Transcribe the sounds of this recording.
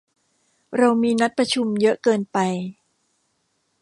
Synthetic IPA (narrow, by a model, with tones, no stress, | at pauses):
ɾa˧wmiː˧na˦˥t̪̚pɾa˧t͡ɕʰu˧mjɤ˦˥ʔkɤː˧npa˧j